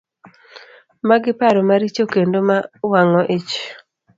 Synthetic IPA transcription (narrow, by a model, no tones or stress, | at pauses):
maɡɪpaɾɔmaɾit͡ʃokendomawaŋɔʔet͡ʃ